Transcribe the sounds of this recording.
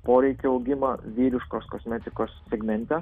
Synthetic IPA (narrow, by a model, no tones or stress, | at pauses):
poːɾʲɛɪkʲeɒʊɡʲɪmɐʋʲiːɾʲɪʃkoːskosʲmʲɛt̪ʲɪkoːsːʲɛɡmʲɛnʲt̪ʲɛ